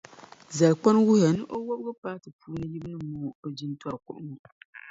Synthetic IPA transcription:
za˨lk͡pa˦n˦wʊ˦ha˨nɨ˦ʔo˦wo˦bɡo˦paː˦tɨ˨puː˦nɨ˦ji˦bɨ˦nɨ˦moː˦o˨d͡ʒi˦ntɔ˦ɾkʊ̰˦ʔʊ˦mu˨

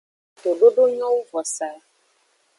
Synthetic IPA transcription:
t̪o˨ɖo˦ɖo˦ɲɔ̃˦wu˦vɔ˨sa˨˦

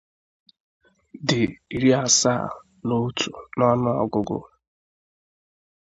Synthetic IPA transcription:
dɪ˨i˨ɾi˦a˨sa̰˦˨ | no˦tʰu˨nɔ˦nʊ˦ɔ˨ɡʊ˨ɡʊ̰˦

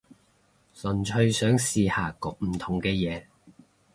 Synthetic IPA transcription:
sɵ˨˩nt͡ʃʰɵ˧ɥsœː˨˥ŋsiː˧haː˨kɔː˨k̚m̩˨˩t̪ʰʊ˨˩ŋkɛː˧jɛː˨˧

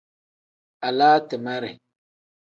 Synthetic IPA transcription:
a˨la˦tə˨ma˦ɾḛ˨

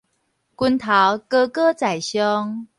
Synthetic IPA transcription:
kwu˦nt̪ʰa˨˦wkə˦kə˦t͡sa˨˩ɪjɕjɔ˦ŋ

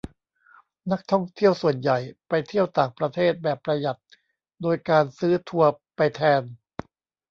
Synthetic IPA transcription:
na˦˥k̚t̪ʰɔ˥˩ŋt̪ʰi˥˩əwsu˨˩ənja˨˩jpa˧jt̪ʰi˥˩əwt̪aː˨˩ŋpɾa˧t̪ʰeː˥˩t̪̚bɛː˨˩pːɾa˧ja˨˩t̪̚ | doː˧jkaː˧nsɯː˦˥t̪ʰu˧ɐpa˧jt̪ʰɛː˧n

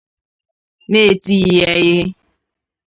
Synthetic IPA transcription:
ne˦˨ti˦˨je˦ɣɪ˦ɦɪ˦

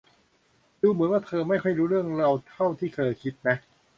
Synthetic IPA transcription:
duː˧mɯ˩˦nwaː˥˩t̪ʰɤː˧ma˥˩jkʰɔ˥˩jɾuː˦˥ɾɯ˥˩əŋɾa˧wt̪ʰa˥˩wt̪ʰiː˥˩t̪ʰɤː˧kʰi˦˥t̪̚na˦˥ʔ

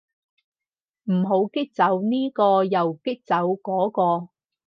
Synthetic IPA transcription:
m̩˨˩ɦo˨˧˥wkɪ˥k̚t͡sɐ˨˥wniː˥kɔː˧jɐ˨wkɪ˥k̚t͡sɐ˨˥wkɔː˨˥kɔː˧

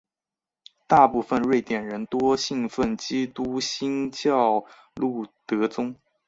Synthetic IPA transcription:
t̪a˥˧pu˥˧fə˧nɻwe˥˩ɪt̪jɛ˨˩nɻə˧˥nt̪wɔ˥ɕi˥˧ŋfə˥˩nt͡ɕi˥t̪u˥ɕi˥ŋt͡ɕjɑ˥˧ʊ | lu˥˩t̪ɤ˧˥t͡sʊ˥ŋ

